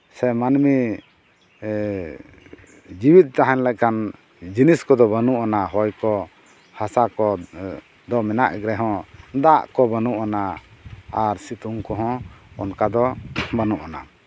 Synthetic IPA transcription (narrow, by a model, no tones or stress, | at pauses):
sɛmanmi | d͡ʒibit̪̚ˀt̪aɦɛ̃nlɛc̚kan | d͡ʒiniskɔd̪ɔbənuʔanaɦɔjkɔ | hasakɔ | d̪ɔmɛna̰ʔɡɾɛɦɔ̃d̪aʔkɔbənuʔana | aɾsit̪uŋkɔɦɔ̃ɔnkad̪ɔbənuʔana̰